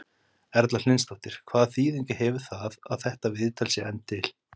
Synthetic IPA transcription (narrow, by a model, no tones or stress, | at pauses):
ɛɾt̪lal̥ɪnst̪ɔht̪ɪɾ̥kʰvaːðθiːðiɲcɪhɛːvʏɾ̥θaðaðθɛht̪avɪðt̪ʰalsɪɛnt̪ʰːɪl̥